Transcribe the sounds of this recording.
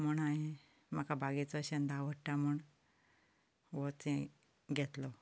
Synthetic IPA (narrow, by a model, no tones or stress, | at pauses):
muɳaɦe | məkabʱaɡet͡sɔɕənd̪ʱaʋəʈːamuɳ | ʋɔt͡sẽ | ɡʱet̪lɔ